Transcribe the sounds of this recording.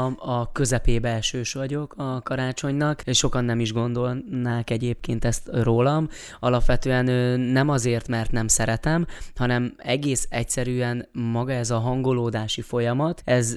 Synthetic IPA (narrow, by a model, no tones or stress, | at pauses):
ɒkø̞zɛpeːbɛlʃøːʃʋɒɟo̞kɒkɒɾaːt͡ʃo̞ɲnɒkʃo̞kɒnːɛmiʒɡo̞nd̪o̞lnaːkɛɟeːp̚keːnt̪ɛst̪roːlɒm | ɒlɒpʋɛt̪øːɛnønɛmɒzeːrt̪mɛrt̪nɛmsɛɾɛt̪ɛmhɒnɛmɛɡeːsɛcsɛɾyːɛnmɒɡɒɛzɒɦɒŋɡo̞loːd̪aːʃifo̞jɒmɒt̪ɛz